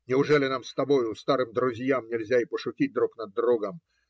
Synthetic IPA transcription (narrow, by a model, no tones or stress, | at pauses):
nʲɛwʐɛlʲɪnamst̪abɔjʊːst̪aɾɨmd̪ɾuzʲjamnʲɛlʲzʲaipɔʂʊkʲit͡s̚ʲd̪ɾuknɐd̪ːɾɔɡɐm